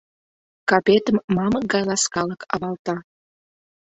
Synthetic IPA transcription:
kɑpet̪əmːɑmək̚ɡɑjlɑskɑləkɑ̰βɑlt̪ɑ

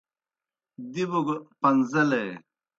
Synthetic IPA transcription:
d̪ibuɡpɐnzɐle

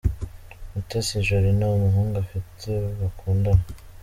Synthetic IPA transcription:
mutesiʒuɾinamuɦuːŋɡafitʰeβakuːndama

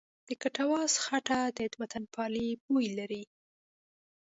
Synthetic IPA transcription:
d̪̥əkaʈawɑzxaʈad̪ət̪bat̪anpʰɑlipojlaɾi

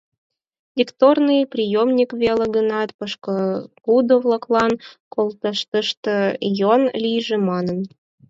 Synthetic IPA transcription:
lʲikt̪ornɨjprʲijomnʲikβʲeleɡənɑt̪pəʃkəkud̪ovlˠəklˠɑnkolˠt̪əʃt̪əʃt̪ə̆jonlʲijʒemɑnən

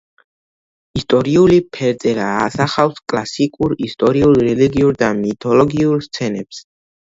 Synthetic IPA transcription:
ist̪ʼɔɾiulipʰɛɾd̪zʼɛɾaːsaχawskʼlasikʼuɾist̪ʼɔɾiulˠɾɛliɡiuɾd̪amit̪ʰɔlɔɡiuɾst̪sʰɛnɛps

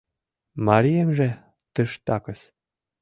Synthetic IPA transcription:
mɑɾijemʒĕ | t̪əʃt̪ɑkə̆s

